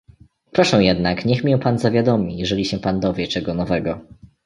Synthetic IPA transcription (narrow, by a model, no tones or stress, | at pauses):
pɾɔʂɛ̃w̃jɛd̪nakɲɛxmʲjɛ̃panzavʲjad̪ɔmʲijɛʐɛlʲiɕɛpand̪ɔvʲjɛt͡ʂɛɡɔnɔvɛɡɔ